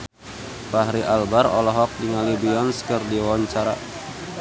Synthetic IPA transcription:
paɦɾiʔalbaɾɔ̰lɔɦɔk̚diŋalibiɔnskərdiwɔɲt͡ʃaɾa̰

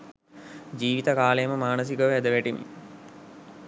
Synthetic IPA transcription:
d͡ʒiːʋit̪əkaːlejəməmaːnəs̬ikəʋæd̪əʋæʈimḭ

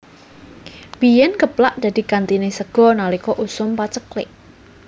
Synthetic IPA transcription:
b̥ijɛnkəplaʔd̪̥a̤d̪̥i̤kant̪inesəɡ̥ɔ̤nalikɔʔusʊmpat͡ʃəklɪ̰ʔ

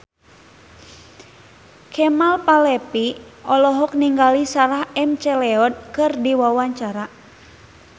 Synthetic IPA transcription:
kʰɛmalpalɛpiɔlɔɦɔk̚niŋɡalisaɾahɛmt͡ʃɛlɛɔd̚kɨrdiwawaɲt͡ʃaɾa

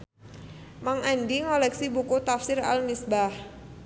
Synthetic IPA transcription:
maŋandiŋɔlɛksibukut̪afsɪra̰lmisbah

